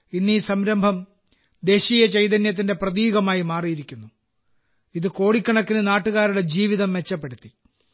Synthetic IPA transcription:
inːiːsɐmɾɐmbʱɐm | d̪e̞ːɕiːjɐt͡ɕejd̪ɐnjɐt̪̬ːinde̞prɐðiːɣɐmaːjimaːrijiɾikʲːunːu | iðɨko̞ːɽikʲːɐɳɐkːinɨnaːʈːuɣaːɾuɽe̞d͡ʑiːʋiðɐmʋe̞t͡ɕːɐpːe̞ɽut̪ːi

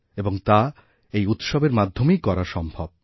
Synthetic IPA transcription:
eboŋt̪a | ejut̪ʃobeɾmad̪ʱːomejkɔɾaʃɔmbʱab̚

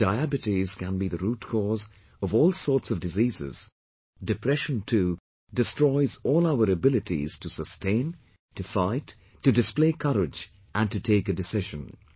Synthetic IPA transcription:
d̥aɪæbɨtiz̥kæ̃nbiðɨɾuːtkʰɔz | ʌvɔːlˠsɔːɹtsʌvdɨziːzɪ̰z̥ | dɨpʰɾɛʃə̃ntʰu | dɨstɹɔɪzɔːlˠaʊəɾəbɪlɨtḭz̥tusəstʰẽɪ̃n | tɨfaɪtː | ɨdɨspleɪkʰʌɾɪd͡ʒ | ʔæ̃ntɨtʰeɪkɨdɨsɪʒə̃n

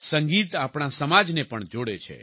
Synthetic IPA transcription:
səŋɡit̪apɳ̃asəmad͡ʒnepəɳd͡ʒoɽet͡ʃʰḛ

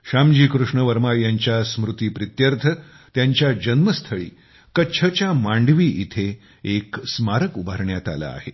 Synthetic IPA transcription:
ɕamd͡ʑiːkɾuʂɳəʋəɾmajaɲt͡ɕjasmɾut̪iːpɾit̪jəɾt̪ʰə | t̪jaɲt͡ɕjad͡ʑənməst̪ʰəɭḭː | kəːɕʰət͡ɕjamãɳɖʋiːʔit̪ʰe | eksmaɾəkubʱaɾɳjat̪a̰la̰ːɦe

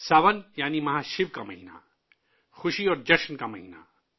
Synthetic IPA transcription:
saːʋənjaːnimɐɦaːʃɪʋkamɐɦiːna̰ | xʊʃiɔːɾd͡ʒɐʃnkamɐɦiːna̰

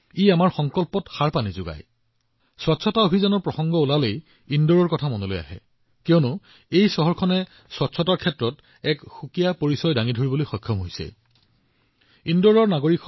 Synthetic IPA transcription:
iamaɹxɔŋkɔlpɔtxaɹpanizʊɡa̰j | swatsʰɔtaobʱizanɔɹpɹɔxɔŋɡɔulalej | indɔɹɔɹkɔtʰamɔnolo̰ja̰ɦɛ̰ | kiɔnʊ | ejsɔɦɔɹkʰɔnɛ | swatsʰɔtaɹkʰɛtɹɔt | ɛkxukijapoɹisɔjdaŋidʱoɹibolojxɔjkʰːɔmɦojsɛ̰ | indɔɹɔɹnaɡoɹik

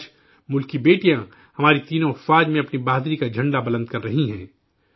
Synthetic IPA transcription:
mʊlkibeːʈijã | hɐmaːɾit̪iːnõɐfaːd͡ʒmẽɐpnibaːd̪ɾikad͡ʒʱɐ̃ɳɖabɐlə̃nd̪̚kɐɾːɐɦiɦɛ̃ː

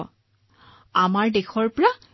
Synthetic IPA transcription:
amaɹdexɔɹpɔɹa

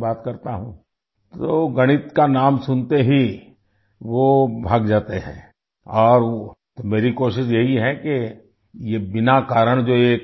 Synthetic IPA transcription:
baːt̪kɐɾt̪aɦũː | t̪oːɡɐɽ̃ɪt̪kanaːmsʊnt̪eɦi | ʋobʱaːɡd͡ʒaːt̪eɦɛ̰̃ː | ɔːɾt̪omeːɾikoːʃɪʃjɐɦiɦɛke | jebɪnakaːɾəɽ̃d͡ʒoːeːk

